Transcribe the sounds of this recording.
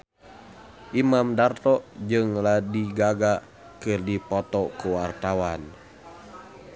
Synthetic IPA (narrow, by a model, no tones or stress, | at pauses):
ʔimamdart̪ɔʔd͡ʒɨŋladiɡaɡa | kɨrdipɔt̪ɔkuwart̪awan